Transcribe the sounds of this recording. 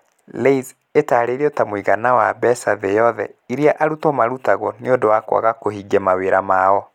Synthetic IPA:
leiz | etaːɾeːɾeotamwiɣanawa̰bɛsaðejɔðɛ̰iɾiaʔaɾutɔmaɾutaɣɔneodowakwa̰ɣakoɦiɡɛmaweɾamaɔ

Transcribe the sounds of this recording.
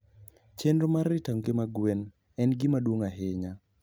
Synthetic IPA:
t͡ʃendomaɾɪtaŋɡɪmaɡwen | ɛnɡɪmadwoŋaɦɪɲa

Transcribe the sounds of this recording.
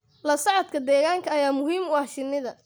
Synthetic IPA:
lɐsɐʕɑd̪kʰɐd̪ɛːɣaːŋkʰɐːjaːmʊɦiːmʊɐʃɪnːɪðɐ

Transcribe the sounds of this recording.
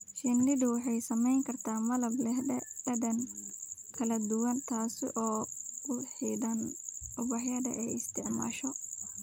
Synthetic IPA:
ʃɪnːɪdʊwɑħɑjsɐmɛjŋkʰɐrt̪ʰaːmɐlɐblɛhɛɖɐd̪ɐn | kʰɐlɐd̪ʊwɐnt̪ʰaːsɪ̰ʔɔːʊħiːd̪ɐnʔʊbɐħjɐðɐ̰ʔɛjɪst̪ʰɪʕma̰ːʃɔ

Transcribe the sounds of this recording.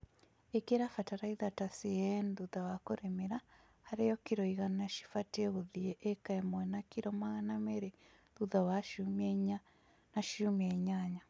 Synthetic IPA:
ekeɾafataɾaiðatasiɛnðuðawakoɾemeɾa | haɾejɔkiɾɔiɣanaʃi̥fateɣoðieʔekaɛmwɛnakiɾɔmaɣanameɾe | ðuðawaʃumɲa | naʃumieɲaɲa

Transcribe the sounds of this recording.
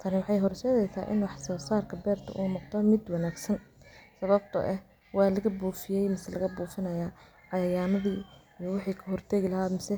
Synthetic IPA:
t̪ʰɐnɪwɑħɑjɦɔrʃɛːðɛjsa̰ːʔɪnwɑħsɔːsaːrkʰɐbɛːrt̪ʰɐ̰ʔuːnɔq̚d̪ɔmɪd̪wɑnaːɡsɐnsɐβɐb̚t̪ʰɐ̰ʔɛ | wɑːlɐɣɐbuːfɪjɛjmɪsɛlɐɣɐbuːfɐnɐjaː | ʕɑjaːmɐðiː | jɔwɑħiːkʰɐɦɔrt̪ʰɛɣɪlɐɦaːmɪsɛ

